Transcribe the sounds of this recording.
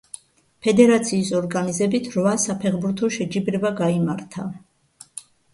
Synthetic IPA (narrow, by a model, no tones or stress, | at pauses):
pʰɛd̪ɛɾat̪sʰiːsɔɾɡanizɛbit̪ʰɾvasapʰɛχbuɾt̪ʰɔʃɛd͡ʒibɾɛvaɡaimaɾt̪ʰa